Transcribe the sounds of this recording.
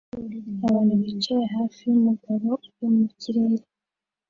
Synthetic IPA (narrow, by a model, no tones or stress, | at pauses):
aβanuβit͡ʃejeɦaːfijumuɡaɾo̞jomucʰiɾeɾe